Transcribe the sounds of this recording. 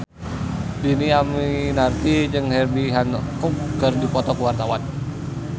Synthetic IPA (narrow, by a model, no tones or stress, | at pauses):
diniaminart̪id͡ʒəŋhɛrbiɦankukɡərdipɔt̪ɔkuwart̪awan